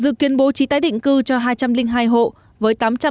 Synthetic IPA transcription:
zɨ̰˧˨ki˨˦ənɓo˨˦t͡ɕi˨˦t̪aː˨˦jɗḭ˧˨ŋ̟kɨ˧t͡ɕɔ˧ɦaː˧jt͡ɕa˧mlï˧ŋ̟ɦaː˧jɦo̰˧˨ | vəː˨˦jt̪aː˨˦mt͡ɕa˧

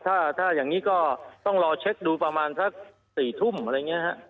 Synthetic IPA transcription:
t̪ʰaː˥˩t̪ʰaː˥˩jaː˨˩ŋiː˦˥kɔː˥˩t̪ɔ˥˩ŋlɔː˧t͡ɕʰe˦˥k̚ɗuː˧pɾa˧maː˧nsa˦˥k̚ | siː˨˩t̪ʰu˥˩m˧˩ɾa˧jŋi˦˥ɐɦa˦˥ʔ

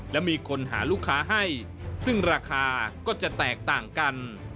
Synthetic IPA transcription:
lɛ˦˥wmiː˧kʰo˧nɦa̰ː˩˦luː˥˩kʰːaː˦˥ɦa˥˩j | sɯ˥˩ŋɾaː˧kʰaː˧kɔː˥˩t͡ɕa˨˩t̪ɛː˨˩k̚t̪aː˨˩ŋka˧n

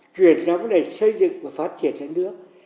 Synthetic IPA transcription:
t͡ɕwi˨˩ən˨ɔ˨˦vɔ˨˦ɗə˨˩sə˧jzɨ̰˧˨ŋvaː˨˩faː˦˥t̚t͡ɕi˧˩ənlə˧˦nɨ̰˦˥ək̚

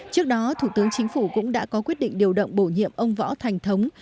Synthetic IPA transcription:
t͡ɕɨ˦˥ək̚ɗɔ˨˦t̪ʰu˧˩t̪ɨ˨˦əŋt͡ɕï˨˦ŋ̟fu˧˩kʊ̰˧˥ŋ͡mɗa̰ː˧˥kɔ˨˦kwi˦˥ət̚ɗḭ˧˨ŋ̟ɗi˨˩əwɗə̰˧˨wŋ͡mɓo˧˩ɲḭ˧˨əmʔə˧wŋ͡mvɔ̰˧˥t̪ʰa˨˩jŋ̟t̪ʰə˨˦wŋ͡m

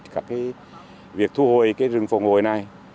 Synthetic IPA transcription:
t̚kaː˧˥˩kːaː˨˦j | vi˨˩ək̚t̪ʰu˧ho˧˩jkaː˨˦jzɨ˨˩˨ŋfə˨˩wŋ͡mho˧˩˨jna˨˩j

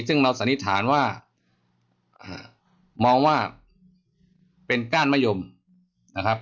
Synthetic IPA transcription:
sɯ˥˩ŋɾa˧wsa˨˦nːi˦˥t̪ʰaː˩˦nwaː˥˩ | ʔaː˧˩ | mɔː˧ŋwaː˥˩ | pe˧nkaː˥˩nmaː˥˨jo˧m | na˦˧˩kʰa˦˥p̚

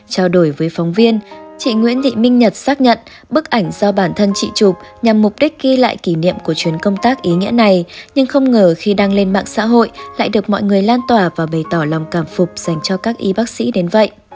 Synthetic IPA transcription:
t͡ɕaː˧wɗo˧˩jvəː˨˦jfɔ˨˦wŋ͡mvi˧ənt͡ɕḭ˧˨ŋwḭ˧˥ənt̪ḭ˧˨mï˧ŋ̟ɲə˨˩t̚saː˦˥k̚ɲə̰˧˨n | ɓɨ˦˥k̚ʔa˧˩jŋ̟zɔ˧ɓaː˧˩nt̪ʰə˧nt͡ɕḭ˧˨t͡ɕʊ˨˩k͡p̚ɲa˨˩mːʊ˨˩k͡p̚ɗi˦˥k̟̚ɣi˧la̰ː˧˨jki˧˩nḭ˧˨əmku˧˩ət͡ɕwi˨˦ənkə˧wŋ͡mt̪aː˦˥k̚ʔi˨˦ŋḭ˧˥əna˨˩jɲɨ˧ŋxə˧wŋ͡mŋəː˨˩xi˧ɗaː˧ŋle˧nɓa̰ː˧˨ŋsa̰ː˧˥ɦo̰˧˨jla̰ː˧˨jɗɨ˨˩ək̚mɔ̰˧˨jŋɨ˨˩əjlaː˧nt̪waː˨˩vaː˨˩ɓə˨˩jt̪ɔ˧˩la˨˩wŋ͡mkaː˧˩mfʊ˨˩k͡p̚z̥a˨˩jŋ̟t͡ɕɔ˧kaː˦˥k̚ʔi˨˦ɓaː˦˥k̚sḭ˧˥ɗe˨˦nvə̰˧˨jʔ

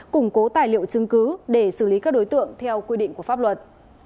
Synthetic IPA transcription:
kʊ˧˩ŋ͡mko˨˦t̪aː˨˩jlḭ˧˨ə˨wt͡ɕɨ˧əŋkɨ˨˦ɗe˧˩sɨ˧˩li˨˦kaː˦˥k̚ɗo˨˦jt̪ɨ̰˧˨əŋt̪ʰɛ˧wkwi˧ɗḭ˧˨ŋ̟ku˧˩əfaː˦˥p̚lwə˨˩t̚

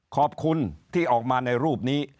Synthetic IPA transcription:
kʰɔː˨˩p̚kʰu˧nt̪ʰiː˥˩ʔɔː˨˩k̚maː˧na˧jɾuː˥˩p̚niː˦˥

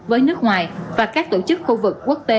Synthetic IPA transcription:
vəː˨˦jnɨ˦˥ək̚ŋwaː˨˩jvaː˨˩kaː˦˥k̚t̪o˧˩t͡ɕɨ˦˥k̚xu˧vɨ˨˩kːu˦˥ək̚t̪e˧˦

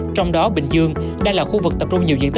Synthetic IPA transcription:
t͡ɕɔ˧wŋ͡mɗɔ˨˦ɓï˨˩ŋ̟zɨ˧əŋ | ɗaː˧laː˨˩xu˧vɨ˨˩k̚t̪ə˨˩p̚t͡ɕʊ˧ŋ͡mɲi˨˩wzḭ˧˨ət̪ʰ

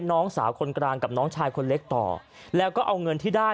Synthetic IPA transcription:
nɔː˦˥ŋsa̰ː˩˦wkʰo˧nkɾaː˧ŋka˨˩p̚nɔː˦˥ŋt͡ɕʰaː˧jkʰo˧nle˦˥k̚t̪ɔ̰ː˨˩ | lɛː˦˥wkɔː˥˩ʔa˧wŋɤ˧nt̪ʰiː˥˩daː˥˩

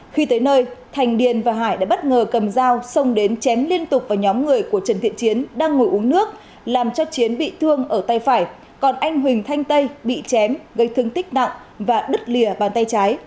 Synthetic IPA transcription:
xi˧t̪əː˨˦jnəː˧jt̪ʰa˨˩jŋ̟ɗi˨˩ənvaː˨˩ɦaː˧˩jɗa̰ː˧˥ɓə˦˥t̚ŋəː˨˩kə˨˩mzaː˧wsə˧wŋ͡mɗe˨˦nt͡ɕɛ˨˦mli˧ənt̪ʊ˨˩k͡p̚vaː˨˩ɲɔ˨˦mŋɨ˨˩əjku˧˩ət͡ɕə˨˩nt̪ʰḭ˧˨ənt͡ɕi˨˦ənɗaː˧ŋːo˨˩jʔu˨˦ənɨ˦˥ək̚ | laː˨˩mt͡ɕɔ˧t͡ɕi˨˦ənɓḭ˧˨t̪ʰɨ˧əŋʔəː˧˩t̪a˨˧˩jfaː˧˩j | kɔ˨˩nʔa˧jŋ̟ɦwï˨˩ŋ̟t̪ʰa˧jŋ̟t̪ə˧jɓḭ˧˨t͡ɕɛ˨˦mɣə˧jt̪ʰɨ˧əŋt̪ï˦˥k̟̚na̰˧˨ŋ | vaː˨˩ɗɨ˦˥t̚li˨˩əɓaː˨˩nt̪a˧jt͡ɕaː˨˦j

